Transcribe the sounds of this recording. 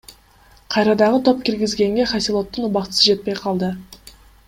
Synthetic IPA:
qʰɑjɾɑd̪ɑʁət̪ʰo̞p̚kʲiɾɡʲɪzɡʲe̞ŋɡʲe̞χasilˠo̞t̪ːənubɑqt̪ə̥səd͡ʒe̞t̪̚pe̞jqʰɑlˠd̪ə

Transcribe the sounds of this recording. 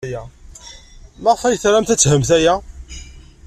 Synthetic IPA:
jæ | mæʁfæjθɾæmθæt͡sːhəmθæjæ

